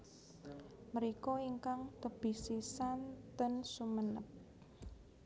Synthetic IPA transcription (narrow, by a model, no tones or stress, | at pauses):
məɾikɔiŋkaŋt̪əb̥i̤sisant̪ənsumənəp̚